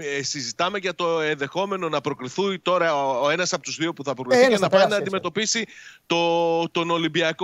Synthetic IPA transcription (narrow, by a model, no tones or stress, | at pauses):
sizit̪ɐme̞ʝɐt̪o̞e̞nðe̞xo̞me̞no̞nɐpɾo̞kɾiθunt̪o̞ɾɐoe̞nɐsɐpo̞t̪uzðio̞puθɐpɾokɾiicenɐpɐinɐːnd̪ime̞t̪o̞pisit̪o̞t̪o̞no̞limbiɐko